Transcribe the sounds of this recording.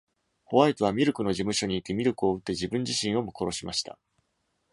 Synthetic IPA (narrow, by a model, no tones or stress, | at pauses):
ho̞βait̪oβ̞amʲiɾɯ̟kɯ̟no̞ʑimɯ̟ɕo̞ɲ̟iːt̪ːe̞mʲiɾɯ̟kɯ̟o̞ɯ̟t̪ːe̞ʑibɯ̟̃ɲ̟d͡ʑiɕĩɰ̃o̞moko̞ɾo̞ɕimaɕi̥t̪ʰa̰